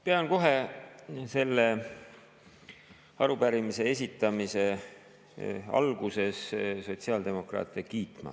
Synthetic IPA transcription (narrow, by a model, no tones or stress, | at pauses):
peɑnko̞ɦe̞ | se̞lːe̞ | ɑɾubæɾimise̞e̞s̬ʲit̪ːˑɑmise̞ | ɑ̰lɡ̥use̞sso̞t̪siɑld̪e̞mo̞krɑ̰ːt̪ˑekiːt̪ˑmɑ̰